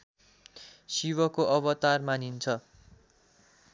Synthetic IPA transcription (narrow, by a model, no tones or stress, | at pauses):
siwʌkoʔʌbʌt̪armanint͡sʰʌ